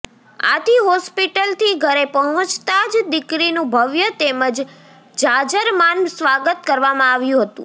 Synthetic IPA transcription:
a̰t̪ʰiɦɔspiʈəlt̪ʰiɡʱəɾepəɦə̃t͡ʃt̪ad͡ʒd̪ɪkɾinũbʱəʋjət̪eməd͡ʒ | d͡ʒad͡ʒəɾmansʋaɡət̪kəɾʋamãaʋjũɦət̪ṵ̃

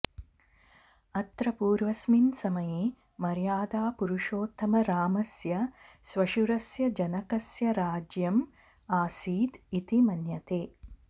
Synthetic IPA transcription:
ɐt̪ɾɐpuːɾʋɐsminsɐmɐji | mɐɾjaːd̪aːpuɾuʂoːt̪ʰːɐmɐɾaːmɐsjɐ | sʋɐʃuɾɐsjɐd͡ʒɐnɐkɐsjɐɾaːd͡ʒjɐm | aːsiːd̪it̪imɐnjɐt̪eː

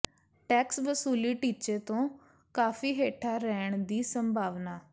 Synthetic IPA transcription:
ʈɛːksʋəsuːliːʈiːt͡ʃeːt̪õː | kaːfiːɦeːʈʰaːɾɛːɳd̪iːsəmbʱaːʋnaː

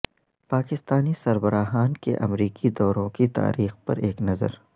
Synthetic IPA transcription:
paːkɪst̪aːnisɐɾbəɾaːɦaːnkḛʔɐ̰mɾiːkid̪ɔːɾõkit̪a̰ːɾiːxpɐ̰ɾeːknɐzə̰ɾ

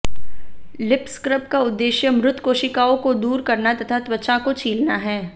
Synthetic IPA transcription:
lɪpskɾəp̚kaʊd̪ːeːʃjəmɾʊt̪ʰkoːʃɪkaːõkod̪uːɾkɐɾnat̪ɐt̪ʰat̪ʋɐt͡ʃãkot͡ʃʰiːlnaɦɛː

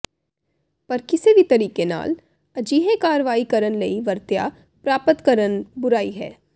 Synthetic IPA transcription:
pɐɾkɪsebʱit̪ɐɾiːkena̰ːl | ɐd͡ʒiːɦẽkaːɾʋaːikɐɾənlɐiʋɐɾt̪ja | pɾaːpət̪kɐɾənbʊɾaːiɦɛ̰ː

